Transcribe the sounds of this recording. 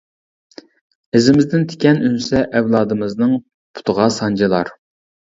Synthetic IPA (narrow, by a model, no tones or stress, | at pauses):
ɪzɪmɪzd̪ɪnt̪ʰe̥kʲɛnynsɛʔɛwlˠɑːd̪ɨmɨznɨŋ | pʰʊ̥t̪ʰʊʁɑsɑnd͡ʒɑlˠɑ̰ɾ